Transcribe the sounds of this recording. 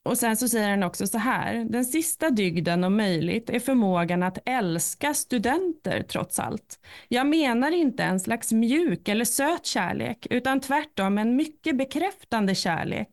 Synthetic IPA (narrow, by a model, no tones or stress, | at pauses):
ɔsɛnsɔsɛjːəɾhanɔksɔsɔɦæ̰ːɾd̪ɛnsɪst̪ad̪ʏɡd̪ənɔmːœjlɪ̰ɡt̪æɾfœɾmoːɡanat̪ɛlskast̪ɵd̪ɛnt̪ə̰ɾt̪ʰɾɔ̰t̪sa̰lt̪jɑːɡmeːnaɾɪnt̪əɛnslaksmjʉ̟ːkɛlːəʂøːt̪ɕæ̰ːɭḛːkʉ̟ːt̪ant̪ʰvæʈːɔmːɛɛnmʏkːəbɛkʰɾɛft̪and̪əɕæ̰ːɭḛːk